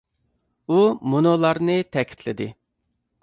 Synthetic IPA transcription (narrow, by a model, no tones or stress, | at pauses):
umunolˠɑɾnɨt̪ʰɛkʲʰi̥t̪ʰlɪd̪ɪ